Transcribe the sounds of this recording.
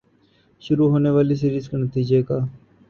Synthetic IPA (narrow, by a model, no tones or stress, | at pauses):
ʃʊɾuːɦoːneːʋaːliːs̬iːɾiːsknət̪iːd͡ʒekaː